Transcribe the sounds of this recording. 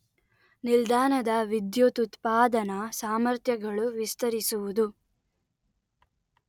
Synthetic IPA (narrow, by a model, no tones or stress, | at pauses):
nild̪aːnɐd̪ɐʋid̪jot̪ut̪paːd̪ɐnɐsaːmɐɾt̪jɐɡɐɭuʋist̪ɐɾisuʋud̪u